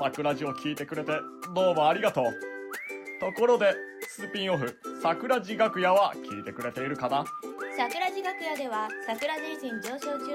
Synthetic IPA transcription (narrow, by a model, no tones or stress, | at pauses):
sakɯ̟ɾaʑio̞kʲiːt̪e̞kɯ̟ɾe̞t̪e̞d̪o̞ːmaːɾʲiɡat̪o̞ː | t̪o̞ko̞ɾo̞d̪e̞sɨːpʲĩɰ̃o̞ɸɯ̟sakɯ̟ɾaʑiɡakɯ̟jaβakʲiːt̪e̞kɯ̟ɾe̞t̪e̞iɾɯ̟kanasakɯ̟ɾaʑiɡakɯ̟jad̪e̞βasakɯ̟ɾaʑiɾiʑĩɲd͡ʑo̞ːɕo̞ːt͡ɕɨ